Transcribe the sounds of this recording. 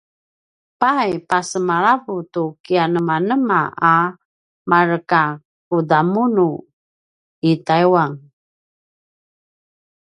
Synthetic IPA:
pajpasəmaɾavutukianəmanəma̰a | maɾəka | kudamunu | itajwaŋ

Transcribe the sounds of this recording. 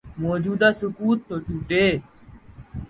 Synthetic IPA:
moːd͡ʒuːd̪aːsʊkuːt̪ːoːʈʰuːʈeː

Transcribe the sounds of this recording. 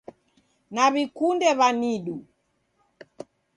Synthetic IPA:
naβikundɛβaniɗu

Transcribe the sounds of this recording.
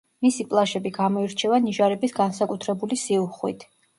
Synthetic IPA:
misipʼlˠaʃɛbiɡamɔiɾt͡ʃʰɛvaniʒaɾɛbisɡansakʼut̪ʰɾɛbulisiuχwḭt̪ʰ

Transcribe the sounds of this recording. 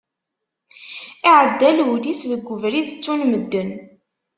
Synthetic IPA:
iʕəd̪ːælulisðəɡʷːʊvɾiðət͡sːunməd̪ːən

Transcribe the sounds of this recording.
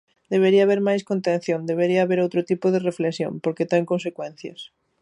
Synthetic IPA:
d̪eβeɾiɐaβeɾmajskont̪ẽn̟θjõnd̪eβ̞eɾiɐːβeɾowt̪ɾot̪ipoðereflesjo̰ŋpoɾket̪ɛŋkõns̬ekwɛ̃n̟θjɐ̰s

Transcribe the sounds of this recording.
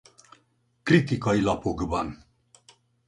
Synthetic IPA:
kɾit̪ikɑilapoɡəban

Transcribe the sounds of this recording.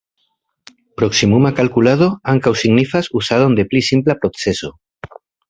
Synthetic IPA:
pɾoksimumakalkulað̞oaŋkawsiɣnifasusað̞ond̪eplisimplapɾokseso

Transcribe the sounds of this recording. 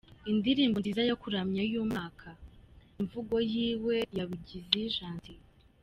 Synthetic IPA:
indiɾiːmbonzizajakuɾamɲajuːmaːkʰaiɱvuɡo̞jiːwe̞jaβiɟiziʒaːnti

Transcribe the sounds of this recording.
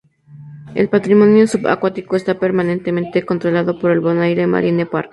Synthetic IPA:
e̞̰lpat̪ɾimo̞njosuβa̰kwat̪iko̞est̪ape̞ɾmanẽ̞nt̪emẽnt̪e̞kont̪ɾo̞laðo̞po̞ɾe̞lβo̞najɾema̰ɾinepaɾk

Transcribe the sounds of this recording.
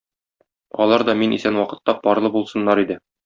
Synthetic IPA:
ɒ̰lˠɑɾd̪ɒminḭsænwɒqɤ̆t̪ːɑpɒɾlˠɤbulˠsɤ̆nːɑɾid̪ɘ

